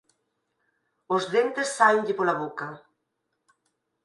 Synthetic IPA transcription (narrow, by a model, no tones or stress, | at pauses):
ozðent̪esːajɲʎɪpolaβoka